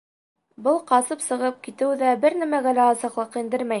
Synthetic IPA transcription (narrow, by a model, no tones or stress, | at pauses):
bɤlˠqɑsɤpsɤ̆ʁɤp̚kit̪ɘ̆wðæbɘɾnæmæɡælæɑsɤ̆qlˠɤqind̪ɘɾmæj